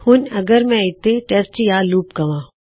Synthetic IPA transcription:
hʊnɐɡəɾmɛ̃ɪt̪ːẽʈɛst͡ʃijaːluːp̚ɡɐʋãː

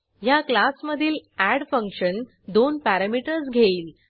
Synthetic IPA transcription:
jaklasməd̪ʱiːlæɽfəŋkɕən | d̪onpæɾamiʈəɾsɡʱeiːl

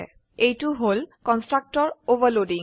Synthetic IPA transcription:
ɛ̰ | ejtuɦolkɔnstɹak̚tɔɹobalodĩŋ

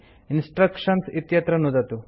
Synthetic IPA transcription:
insʈɾɐkʂɐnsit̪jɐt̪ɾɐnud̪ɐt̪u

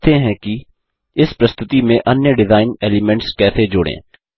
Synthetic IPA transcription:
t̪eɦɛ̃ki | ɪspɾɐst̪ʊt̪imẽʔɐnjəɖɪzaːɪneːlimɛ̃ɳʈskɛːsed͡ʒʊɽḛ̃ː

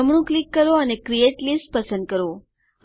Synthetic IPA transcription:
əmɳũklikːəɾoənekɾieʈlisʈ̚pəsə̃nd̪̚kəɾo | ɦ

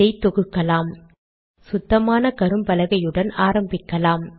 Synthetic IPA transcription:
ɐɪt̪ːɔɣɯkːɐlaːm | sʊd̪ːɐmaːnɐkɐɾɯmpɐlɐɣɐjɯɽɐnaːɾɐmbɪkːɐlaːm

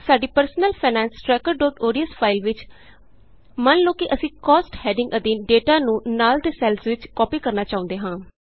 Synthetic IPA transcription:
saːɖiːpəɾsnəlpʰaːnɛ̃ːnsʈɾɛːkəɾɖoːʈ̪oːɾiəspʰaːɪlʋɪt͡ʃ | mənloːkiːʔəsĩːkɔːsʈhɛːɖɪ̃ŋɡəd̪iːnɖeːʈaːnũːnaːlt̪eːsɛːlsʋɪt͡ʃkɔːpiːkəɾnaːt͡ʃaːʊ̃nd̪eːɦãː

